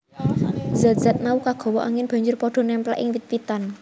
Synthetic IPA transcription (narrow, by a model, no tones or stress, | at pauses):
zat̪̚z̥at̪̚maukaɡ̥ɔ̤wɔʔa̰ŋɪnb̥a̤ɲd͡ʒʊrpɔɖ̥ɔ̤nɛmpla̰ʔɪŋwit̪̚wit̪an